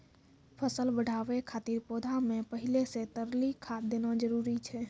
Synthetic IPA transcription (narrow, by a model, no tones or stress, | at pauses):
pʰəsəlbəɽ̤ʱaːʋekʰaːt̪iɾpoːd̪ʱamẽpəɦɪleset̪əɾlikʰaːt̪̚d̪eːnad͡ʒəɾuːɾit͡ʃʰɛː